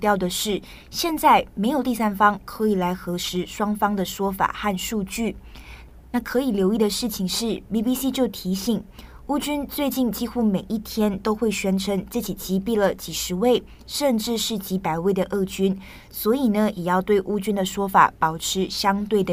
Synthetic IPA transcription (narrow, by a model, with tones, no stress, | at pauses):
t̪jɑ˥˩ʊd̪ə˩ʂɻ̩˥˩ | ɕjɛ˥˧nt͡sa˥˩ɪme˧˥ɪjo˨˩t̪i˥˩sa˥nfɑ˥ŋkʰɤ˧˥i˨˩la˧˥ɪxɤ˧˥ʂɻ̩˧˥ʂwɑ˥ŋfɑ˥ŋd̪ə˨ʂwɔ˥fa̰˨˩xa˥˧nʂu˥˧t͡ɕy˥˩ | na˥˩kʰɤ˧˥i˨˩ljo˧˥ʊi˥˩d̪ə˩ʂɻ̩˥˩t͡ɕʰi˩ŋʂɻ̩˥˩pi˥˩pi˥si˥t͡ɕjo˥˩ʊt̪ʰi˧˥ɕi˨˩˦ŋ | u˥t͡ɕy˥nt͡swe˥˧ɪt͡ɕi˥˧nt͡ɕi˥xu˥me˨˩ɪʔi˥˩t̪ʰjɛ˥nt̪o˥ʊxwe˥˩ɪɕɥɛ˧˥nʈ͡ʂʰə˧˥ŋʈ͡ʂɤ˥˩t͡ɕi˨˩t͡ɕi˧˥pi˥˩lə˨˩t͡ɕi˨˩ʂɻ̩˧˥we˥˩ɪ | ʂə˥˧nʈ͡ʂɻ̩˥˧ʂɻ̩˥˩t͡ɕi˧˥pa˨˩ɪwe˥˩ɪd̪ə˩ʔɤ˥˩t͡ɕy˥n | swɔ˧˥i˨˩nə˦jʔɛ˨˩jɑ˥˧ʊt̪we˥˩ɪʔu˥t͡ɕy˥nd̪ə˨ʂwɔ˥fa̰˨˩pɑ˨˩ʊʈ͡ʂʰɻ̩˧˥ɕjɑ˥ŋt̪we˥˩ɪd̪ə˩